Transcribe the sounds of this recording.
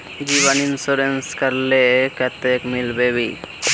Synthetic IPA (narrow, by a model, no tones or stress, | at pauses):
d͡ʒiβaninsuɾenskəɾlekət̪ekmilbebi